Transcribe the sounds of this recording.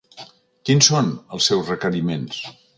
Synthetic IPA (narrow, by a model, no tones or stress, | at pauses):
kinsonəlˠsːɛwzrəkəɾimens